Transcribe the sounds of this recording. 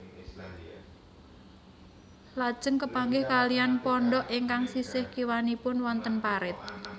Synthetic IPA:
lad̥ʒ̥əŋkəpaŋɡɪhkalianpɔɳɖɔʔiŋkaŋsisɪhkiwanipʊnwɔnt̪ənpaɾɪt̪̚

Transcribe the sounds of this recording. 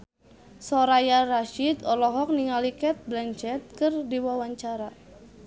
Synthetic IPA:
sɔɾajaraʃid̪ɔlɔɦɔk̚niŋalikɛt̪̚blɛnt͡ʃɛt̪̚kɨrdiwawaɲt͡ʃaɾa

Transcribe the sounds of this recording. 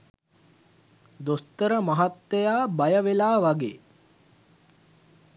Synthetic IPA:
d̪ost̪əɾəmaɦat̪ːejaːbajəʋelaːʋaɡeː

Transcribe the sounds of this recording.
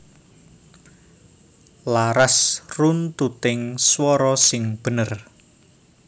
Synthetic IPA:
laɾasrunt̪ut̪ɪŋswɔɾɔsɪŋb̥ə̤nər

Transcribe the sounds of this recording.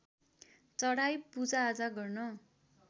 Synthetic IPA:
t͡sʌɽajpud͡zaːd͡zaɡʌrnʌ

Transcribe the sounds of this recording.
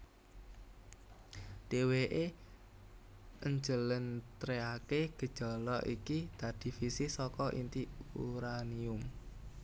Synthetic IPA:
d̪̥eweʔe | ʔəɲd͡ʒələnt̪ɾeakeɡ̥ə̤d̥ʒ̥ɔ̤lɔʔikit̪a̤d̪̥i̤fisɪsɔkɔʔḭnt̪iuɾaniʊm

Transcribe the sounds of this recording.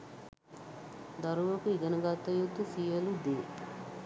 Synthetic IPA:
d̪ɐɾuʋɐkuiɡɐnɐɡaːt̪ːɐjut̪ːusielud̪eː

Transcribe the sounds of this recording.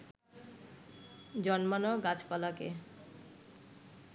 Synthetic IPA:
d͡ʑɔnmanoɡat͡ɕpalakḛ

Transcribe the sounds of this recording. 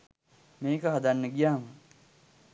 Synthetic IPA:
meːkəɦad̪anːəɡijaːmə

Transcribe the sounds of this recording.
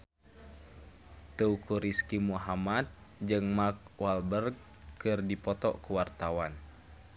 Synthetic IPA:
t̪əukuɾiskimuɦamat̪̚d͡ʒɨŋmak̚walbərɡ̚ | kɨrdipɔt̪ɔ̰ʔkuwart̪awan

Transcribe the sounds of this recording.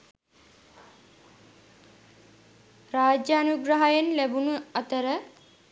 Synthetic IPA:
raːd͡ʒjaːnuɡɾaɦajenlæbunuɐt̪əɾə

